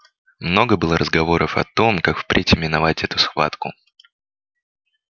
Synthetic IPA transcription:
mno̞ɡəbɨlˠəɾʔəzɡɐvo̞ɾʔəfɐ̰t̪o̞mkakfpɾʲʔɪtʲɪmʲɪnɐvatʲɛt̪ʊsxva̰t̪kʊ

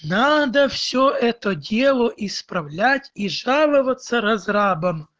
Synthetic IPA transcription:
nɑd̪ɐw̥sʲɔɛt̪ɔdʲɛlˠɔʔispɾɐwlʲatʲiʒɑlˠʊʋɐt̪sːɐɾɐzɾɑbɐm

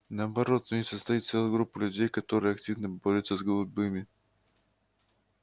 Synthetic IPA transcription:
nəɐbɐɾo̞t̪zʲɪsəst̪ɐjit̪t̪selˠəjɡɾupːəlʲʉdʲejkɐt̪o̞ɾɨjəɐktʲivnəboɾʲət̪səzɡlˠʊbɨmʲɪ

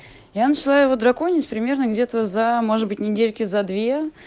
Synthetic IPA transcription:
janət͡ɕɪlˠaɪvod̪ɾɐko̞nʲɪsʲpɾʲɪmʲe̞rnəɡdʲe̞t̪əzɐmo̞ʐɨd̪̚bɨtʲnʲɪdʲelʲkʲɪzɐd̪vʲe

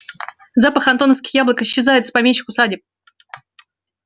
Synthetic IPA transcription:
zapəxɐnt̪o̞nəfskʲɪ̥xjablˠəkɪɕːɪzajɪt̪sə̥pɐmʲeɕːɪkʊsadʲɪp̚

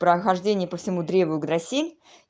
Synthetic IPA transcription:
pɾəxɐʐdʲenʲɪjəpəfsʲɪmud̪ɾʲevəjʊɡd̪ɾɐsʲelʲ

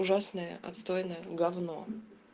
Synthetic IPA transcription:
ʊʐasnəjə̰ɐ̰t̪st̪ojɪnəjəɡɐvno̰

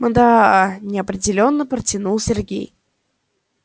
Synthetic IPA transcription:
mənd̪anʲɪɐpɾʲɪdʲɪlʲo̞nːəpɾətʲɪnulˠsʲɪrɡʲḛj

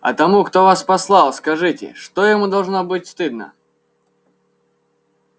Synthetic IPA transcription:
ɐ̰t̪ɐmukt̪ovaspɐslˠɑlˠskɐʐɨtʲɪ̰ʂt̪ojɪmud̪ɐlˠʐnobɨtʲst̪ɨd̪nə̰

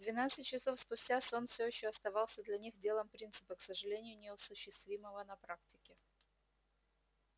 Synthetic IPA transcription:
d̪vʲɪnat̪sɨtʲt͡ɕːɪso̞fspʊsʲtʲasonfsʲɵjɪɕːoɐst̪ɐvɑlˠsʲəd̪lʲɐnʲixdʲe̞lˠəmpɾʲint̪sɨ̥pəksəʐɨlʲenʲɪjʊnʲɪəsʊɕːɪst̪vʲiməvənɐpɾak̚tʲɪkʲɪ

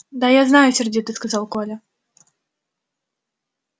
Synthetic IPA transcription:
d̪ajaznajʊsʲɪrdʲit̪ɨskɐzalˠkolʲə

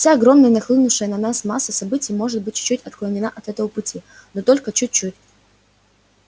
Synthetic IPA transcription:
fsʲaɐɡɾo̞mnəjənɐxlˠɨnʊʂəjənɐnasmasːəsɐbɨtʲɪjmo̞ʐɨt̪̚bɨt̚ʲt͡ɕʊ̥t͡ɕːutʲɐt̪klˠənʲɪnaʔɐt̪ɛt̪əvəpʊtʲi | not̪o̞lʲkət͡ɕut̚ʲt͡ɕːutʲ

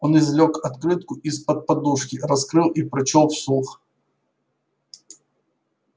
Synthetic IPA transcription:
onɪzlʲokɐt̪kɾɨt̪̚kʊʔispət̪̚pɐd̪uʂkʲɪɾɐskɾɨlˠipɾɐt͡ɕolˠfsˠux

